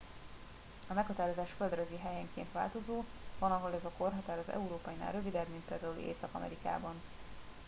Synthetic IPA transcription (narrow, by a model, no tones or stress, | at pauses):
ɒmɛkhɒt̪aːɾo̞zaːʃføld̪røziɦɛjɛŋkeːnt̪ʋa̰ːlt̪o̞zoː | vɒnɒɦo̞lɛzɒko̞rɦɒt̪aːɾɒzɛ̰uɾoːpɒjina̰ːlɾø̞vid̪ɛbmint̪̚peːld̪aːul̰ʔḛːsɒkɒ̰mʔɛ̰ɾika̰ːbɒn